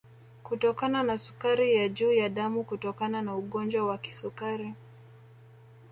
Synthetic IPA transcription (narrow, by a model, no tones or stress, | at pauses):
kutɔkananasu̥kaɾijaʄuːjaɗamukutɔkananauɠɔnd͡ʒwawaki̥sukaɾi